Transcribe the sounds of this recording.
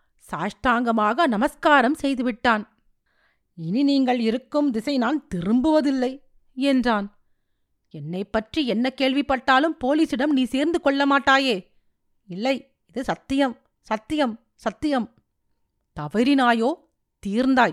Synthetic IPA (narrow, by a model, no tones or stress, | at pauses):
saːʂʈaːŋɡɐmaːɣɐnɐmɐskaːɾɐmsɛjðɯʋɪʈːaːn | ɪniniːŋɡɐɭɪɾɯkːɯmd̪ɪsɐɪnaːnt̪ɪɾɯmbɯʋɐðɪlːɐɪ | ɛndraːn | ɛnːɐɪpːɐʈriɛnːɐkeːɭʋɪpːɐʈːaːlɯmpoːliːsɪɽɐmniːseːɾnd̪ɯkɔɭːɐmaːʈːaːjeː | ɪlːɐɪ | ɪðɯsɐt̪ːɪjɐm | sɐt̪ːɪjɐm | sɐt̪ːɪjɐm | t̪ɐʋɐɾɪnaːjoː | t̪iːɾnd̪aːj